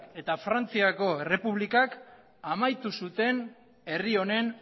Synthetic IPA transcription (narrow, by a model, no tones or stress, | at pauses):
ke̞t̪afɾant͡siako̞ere̞puβ̞likak | amajt̪usut̪e̞n | e̞rio̞ne̞n